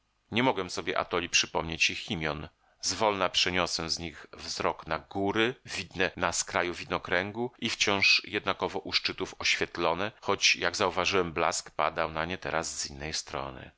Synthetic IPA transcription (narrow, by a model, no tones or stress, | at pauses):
ɲɛmɔɡwɛmsɔbʲjɛʔa̰t̪ɔlʲipʂɘpɔmɲet͡ɕjixʲimʲjɔn | zvɔlnapʂɛɲɔsɛzɲiɣvzɾɔknaɡuɾɘvʲid̪nɛnaskɾajuvʲid̪nɔkɾɛŋɡuift͡ɕɔ̃w̃ʂjɛd̪nakɔvɔʔuʂt͡ʂɘt̪ufɔɕfʲjɛt̪lɔnɛxɔt͡ɕjaɡzauvaʐɘwɛmbla̰skpa̰d̪awnaɲɛt̪ɛɾasz̥inːɛjst̪ɾɔ̰nɘ̰